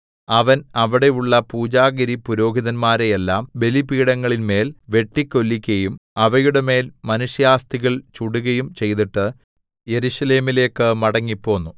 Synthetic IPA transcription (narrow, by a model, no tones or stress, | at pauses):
ɐʋɐnɐʋiɽe̞juɭːɐpuːd͡ʑaːɣɐɾipuɾo̞ːɡʱiðɐnmaːɾejelːaːmbe̞lipiːɽɐŋːɐɭinme̞ːlʋe̞ʈːikʲːo̞lːikʲːɐjumɐʋɐjuɽe̞me̞ːlmɐnuʂjaːst̪iɣɐɭt͡ɕuɽuɣɐjumt͡ɕe̞jt̪̬iʈːɨ | je̞ɾuɕɐle̞ːmile̞ːkːɨmɐɽɐŋːipːo̞ːnːu